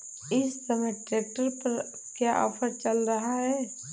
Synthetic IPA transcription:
ɪssɐməjʈɾeːk̚ʈəɾpɐɾ | kjaʔɔ̰fʰəɾt͡ʃəlɾɐɦaɦɛː

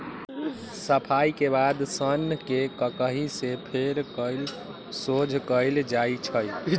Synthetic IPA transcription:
səpʰaikebad̪sənkekəkəɦisepʰeɾkəɪl | sod͡ʒʱkəɪld͡ʒait͡ʃʰəj

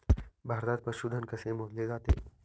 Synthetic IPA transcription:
bʱaːɾd̪aːd̪̚pəɾʃud̪ʱənkɐsẽmod̪lezaːt̪ḛː

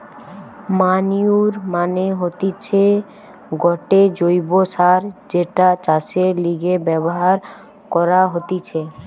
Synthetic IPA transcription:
maniuɾmaneɦot̪it͡ɕʰe | ɡɔʈed͡ʑojbosaɾd͡ʑeʈat͡ɕaseɾliɡebɛboɦaɾ | kɔɾaɦot̪it͡ɕʰe

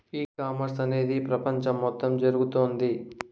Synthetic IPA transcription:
iːkaːmɐɾsɐne̞ːd̪ipɾɐpɐɲt͡ʃɐmːɔt̪ːɐmd͡ʒɐɾuɡut̪oːnd̪i

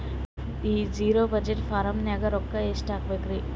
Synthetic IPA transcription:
iːd͡ʒiːɾobɐd͡ʒeʈfaɾɐmnaːɡɐɾɔkːaesʈaːkbeɡɾi

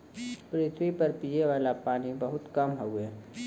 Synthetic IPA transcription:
pɾɪt̪ʰwipəɾpiːeʋaːlapaːnibəɦʊt̪kɐmɦouɛː

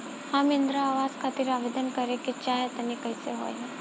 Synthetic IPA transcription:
hamind̪ɾaːʋaskʰat̪iːɾaʋed̪ənkəɾekit͡ɕajət̪ənikəjseɦo̰ja

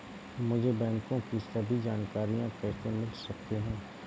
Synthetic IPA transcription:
mʊd͡ʒʱebɛ̃ːŋkõkisɐbʱid͡ʒaːnkaːɾijãkɛːsemɪlsɐk̚t̪eɦɛ̃ː

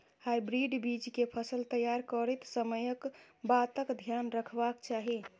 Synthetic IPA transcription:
hajbɾiɖbid͡ʒkepʰəsəlt̪əjaɾkəɾət̪səməjəkbat̪əkd̪ʱjanɾəkʰbakt͡ʃaɦi

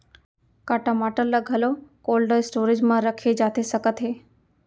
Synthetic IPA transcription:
kaʈamaʈəlləɡʱəlokolɖəsʈoɾid͡ʒmãɾəkʰed͡ʒat̪ʰesəkət̪ɦe

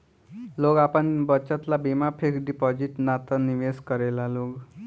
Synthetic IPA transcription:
loɡapəɳbət͡ʃat̪labimapʰekɖipɔd͡ʑiʈnat̪əniʋeskəɾelaloɡ

